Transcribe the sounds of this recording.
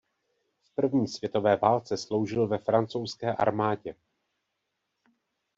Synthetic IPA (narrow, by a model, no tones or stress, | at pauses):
fpr̩vɲiːsv̥jɛt̪o̞vɛːvaːlt͡sɛslo̞wʒɪlvɛfɾant͡sowskɛːʔa̰ɾmaːɟɛ